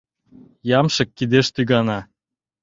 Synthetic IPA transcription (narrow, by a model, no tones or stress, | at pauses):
jɑmʃɤ̆kːid̪eʃt̪yɣɑnɑ